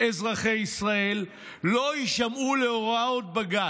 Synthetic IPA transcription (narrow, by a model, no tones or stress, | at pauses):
ezʁaχe̞jisʁae̞lː | o̞iʃamuleoʁaot̪̚baɡa